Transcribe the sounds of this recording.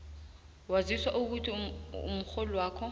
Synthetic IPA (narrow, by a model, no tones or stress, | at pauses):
waziswaʔuk̬utʰʼiṵmʊk͡xolwaːkʰɔ